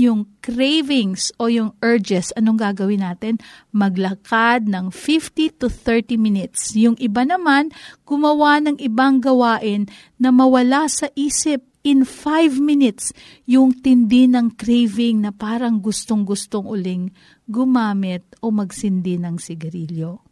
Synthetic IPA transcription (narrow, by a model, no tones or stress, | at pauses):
jʊŋkɾejvɪŋso̞jʊŋʔɛɹd͡ʒɛsɐno̞ŋɡaɡɐwɪnːaːt̪ɪnmɐɡlɐkad̪̚nɐŋfift̪it̪ʊθɛɹt̪imɪnɪt̪sjʊŋʔɪbanɐmanɡ̥ʊmɐwanɐŋʔɪbaŋɡɐwaːʔɪnː | ɐmɐwɐlasɐʔiːsɪp̚ʔɪnfajvmɪnɪt̪s | jʊŋt̪ɪnd̪ɪnɐŋkɾejvɪŋnɐpaːɾɐŋɡʊst̪oŋɡʊst̪oŋʔʊlɪŋ | ɡʊmaːmɪt̪̚ʔo̞mɐɡsɪnd̪ɪnɐŋsɪɡɐɾiljo̞